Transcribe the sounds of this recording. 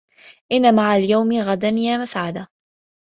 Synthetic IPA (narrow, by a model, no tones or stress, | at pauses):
ʔɪnːamaʕaljawmɪɣad̪anjaːmasʕad̪a